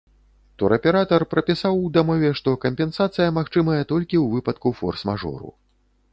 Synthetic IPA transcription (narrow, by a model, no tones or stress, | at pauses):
t̪ɔɾɐpʲɛɾat̪ɐrpɾɐpʲisawd̪amɔvʲɛʂt̪ɔkɐmʲpʲɛnsat̪sɨjɐmaxt͡ʂɨmɐjɐt̪ɔlʲkʲiwvɨpɐt̪kufɔ̰rsma̰ʐɔ̰ɾṵ